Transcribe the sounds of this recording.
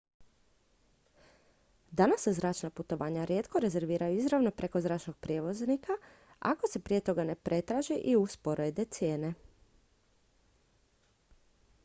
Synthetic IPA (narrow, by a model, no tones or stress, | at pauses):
d̪anasːezɾaːt͡ʃnaput̪o̞ʋaːɲaɾje̞t̪ko̞ɾe̞ze̞ɾʋiːɾajuizɾaʋno̞pɾe̞ko̞zɾaːt͡ʃno̞ɡ̥̚pɾʲje̞ːʋo̞znikʰa | a̰ko̞se̞pɾije̞t̪o̞ɡane̞pɾʔe̞t̪ɾaːʒiʔiuspoɾed̪e̞t̪sje̞ːne̞